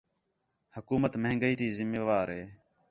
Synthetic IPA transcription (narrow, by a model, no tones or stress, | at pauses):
həkuːmət̪məɦŋɡəiːt̪ʰiːzɪmːeːʋaːɾɦeː